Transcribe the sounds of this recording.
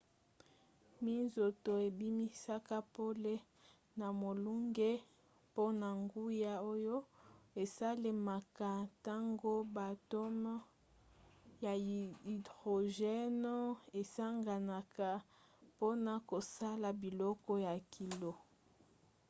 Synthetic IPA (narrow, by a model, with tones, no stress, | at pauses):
mi˦nzo˨to˨e˨bi˦mi˦sa˦ka˦po˦le˦ | na˨mo˨lu˦ŋɡe˦ | po˦na˨ŋɡu˦ja˦o˦jo˦e˨sa˦le˨ma˨ka˨ta˦ŋɡo˦ba˨to˦m˦ | ja˨i˨dʁo˨ʒɛ˦no˦e˨sa˦ŋɡa˨na˨ka˨ | po˦na˨ko˨sa˦la˨bi˨lɔ˦kɔ˦ja˨kʰi˨lo˨